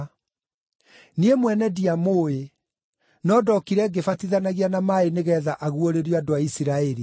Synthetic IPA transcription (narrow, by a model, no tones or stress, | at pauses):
niemwɛnɛdiamoe | nɔdɔkiɾɛɡefatiðanaɣianamaeneɣɛːðaʔaɣuoɾeɾjoadoaisiɾaɛɾi